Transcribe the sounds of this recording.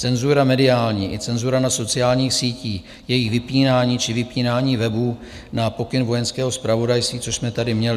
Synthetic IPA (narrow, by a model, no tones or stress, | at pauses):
t͡sɛnzuɾamɛdɪaːlɲiːʔɪt͡sɛnzuɾanaso̞t͡sɪaːlɲiːxsiːciːx | jɛjɪxvɪpiːnaːɲiːt͡ʃɪvɪpiːnaːɲiːvɛbuː | napo̞kɪnvo̞jɛnskɛːɦo̞spɾavo̞dajst̪viːt͡soʃsmɛt̪adɪmɲɛlɪ